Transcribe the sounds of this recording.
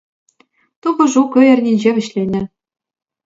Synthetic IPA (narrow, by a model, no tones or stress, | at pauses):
t̪ubɤ̆ʐukøjɘ̆rʲnʲinʲd͡ʑeβɘ̆ɕlʲenʲɘ̆